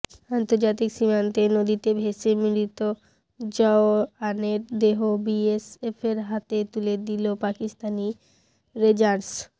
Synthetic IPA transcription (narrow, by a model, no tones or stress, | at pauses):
ant̪oɾd͡ʑat̪̬ikʃimant̪enod̪it̪ebʱeʃemiɾit̪o | d͡ʑɔoaneɾd̪eɦobiesefeɾɦat̪et̪uled̪ilopakist̪ani | ɾed͡ʑaɾs